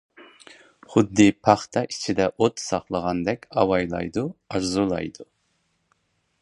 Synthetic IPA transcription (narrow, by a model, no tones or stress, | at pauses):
χʊd̪ːɨpʰɑχt̪ʰɑit͡ʃʰid̪ɛʔot̪sɑχlˠəʁɑnd̪ɛkʲɑwɑjlˠɑ̰jd̪uɑɾzulˠɑ̰jd̪u